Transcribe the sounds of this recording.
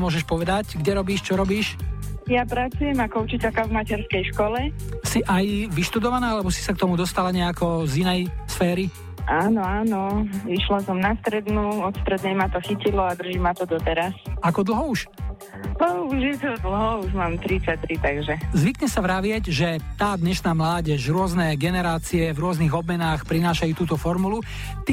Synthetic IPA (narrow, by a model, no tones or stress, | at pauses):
mʊɔʒɛʃpɔʋɛd̪acɡɟɛɾɔbiːʃt͡ʃɔɾɔbiːʃjapɾat͡sujɛmakɔut͡ʃicɛlkavmacɛɾskɛjʃkɔlɛsiʔajʋiʃt̪ud̪ɔʋanaːalɛbɔsi̥sak̚t̪ɔmud̪ɔst̪alaɲɛakɔzinɛjsfɛːɾi | ʔaːnɔaːnɔiʃlasɔmnast̪ɾɛd̪nuɔt̪st̪ɾɛd̪nɛjmat̪ɔxicilɔad̪r̩ʒimat̪ɔd̪ɔt̪ɛɾasakɔd̪l̩ˠɦɔuʃ | ɔuʒjɛt̪ɔd̪l̩ˠɦɔuʒmaːmt̪ɾit̪t͡sac̚t̪ɾit̪aɡʒɛzʋikɲɛsaʋɾaʋɪɛɟʒɛt̪aːd̪ɲɛʃnaːmlaːɟɛʃɾʊɔznɛɡɛnɛɾaːt͡siɛvɾʊɔzniɣɔb̚mɛnaːxpɾinaːʃajuːt̪uːt̪ɔfɔɾmulu | t̪